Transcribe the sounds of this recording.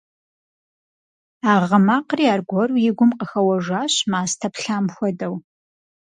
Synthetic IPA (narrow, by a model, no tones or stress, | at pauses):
aːʁɐmaːqriaːrɡʷɔrujɪɡʷʊmqəxɐwɐʒʷaːɕmaːstʰɐpɬaːmxʷɔdɐw